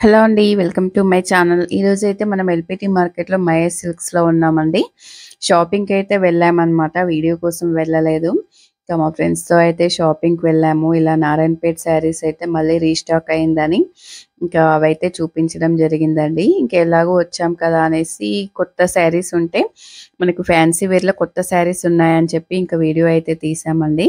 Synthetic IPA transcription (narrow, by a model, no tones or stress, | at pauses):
heloːɐɳɖiʋelkɐmʈumɐjt͡ʃaːnɐlḭːɾo̞ːd͡ʒuɐjt̪e̞ːmɐnɐmelpiːʈiːmaːɾkeʈloːmɐjesilkslo̞ːunːaːmɐɳɖi | ʃaːpiŋɡɐjt̪e̞ːʋɛɭːaːmɐnɐmaːʈɐʋiːɽijoːkɔːsɐmʋɛɭːɐle̞ːd̪u | iŋkaːmaːfɾeɳɖst̪o̞ːɐjt̪e̞ːʃaːpiŋɡʋɛɭːaːmuilaːnaːɾɐɳpeːʈsaːɾiːsɐjit̪e̞ːmɐɭːiːɾiːsʈaːkɐjind̪ɐniiŋkaːɐʋɐjt̪e̞ːt͡ʃuːpiɲt͡ʃɐɽɐmd͡ʒɐɾiɡind̪ɐɳɖiiŋkɐlaːɡuːʋɐt͡ʃːaːmkɐd̪aːɐne̞ːsikɔt̪ːɐsaːɾiːsuɳʈe̞ːmɐnɐkupʰaːnsiʋiːɾlɐkɔt̪ːɐsaːɾiːsunːaːjɐnit͡ʃepːiːŋkaːʋiːɽijoːɐjt̪e̞ːt̪iːsaːmɐɳɖi